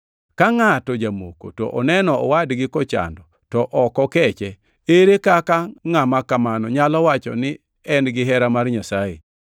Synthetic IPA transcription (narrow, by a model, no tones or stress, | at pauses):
kaŋatɔd͡ʒamo̰ko̰tɔ̰ʔɔnɛnɔɔwadɡɪkɔt͡ʃa̰ndɔ | tɔʔɔkɔkɛt͡ʃɛ | eɾekakaŋamakamanɔɲalɔwat͡ʃɔ̰nɪ | ɛnɡɪɦɛɾamarɲasajḛ